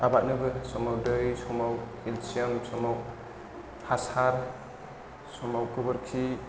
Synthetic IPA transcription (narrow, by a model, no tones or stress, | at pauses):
abat̚nɯbɯsɔmawdɯjsɔmawkilsiamsɔmaw | hasaɾ | sɔmawkɯbɯɾkʰi